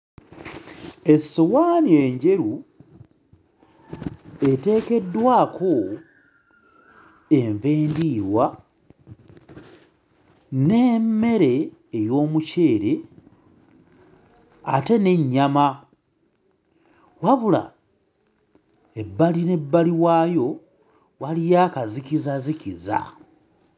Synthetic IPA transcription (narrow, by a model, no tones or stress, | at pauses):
e̞sowaːnie̞ɲɟe̞ɾu | e̞te̞ːke̞dːwaːkʰo̞ | e̞ɱve̞ːndiːɾwa | nemːe̞ɾe̞ːjo̞ːmuce̞ːɾe̞ | a̰te̞ne̞ɲːama | waβula̰ | ebːaline̞bːaliwaːjo̞ | walijakazikizazikiza̰